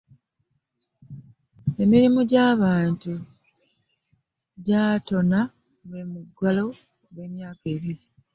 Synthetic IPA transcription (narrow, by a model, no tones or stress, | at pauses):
e̞miɾimuɟaːβaːntu | ɟaːto̞na | wemuɡalo̞ | ɡe̞ːmjaːke̞ːβiɾi